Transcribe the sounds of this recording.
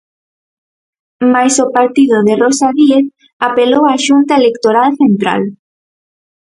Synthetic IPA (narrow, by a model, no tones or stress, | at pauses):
majsopaɾt̪iðʊðerosaðieθ | apelowaʃunt̪aelekt̪oɾalθent̪ɾa̰l